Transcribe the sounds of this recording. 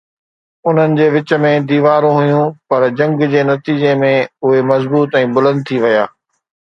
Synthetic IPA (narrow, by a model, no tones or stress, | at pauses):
ʊn̤ənɪ̆d͡ʑeːʋɪt͡ɕə̆mẽd̪iːʋaːɾõɦʊjũpɐɾd͡ʑɐ̃ŋɡd͡ʑeːnɐt̪iːd͡ʑemẽʊɦemɐzbuːt̪ɛ̃ːbʊlə̃nd̪̚t̪ʰiʋɐjaː